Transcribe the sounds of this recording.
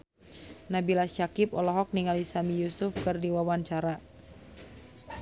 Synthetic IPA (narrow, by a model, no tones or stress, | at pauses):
nabilaʃakɪp̚ɔlɔɦɔk̚niŋalisamijusʊfkərdiwawaɲt͡ʃaɾa